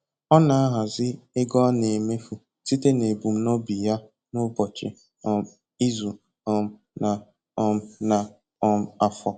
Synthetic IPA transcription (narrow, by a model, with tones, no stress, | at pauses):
ɔ˦na˨a˦ɦa˨zɪ˦ɪ˦ɡɔ˦ne˨me˦fu˨ | si˦te˦ne˨bu˨m̩˦nɔ˦bi˨ja˦ | nʊ˦bɔ˨t͡ʃɪ̰˨ | ɔ˨m˦ | i˦zu˨ | ɔ˨m̩˨ | na˨ | ɔ˦m̩˦na˨ | ɔ˦m̩˦a˨fɔ˨